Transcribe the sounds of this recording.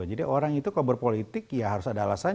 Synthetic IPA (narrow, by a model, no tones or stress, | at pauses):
d͡ʒadiʔoɾaŋit̪ukabərpolit̪ɪkjaɦaɾʊsadaalasaɲ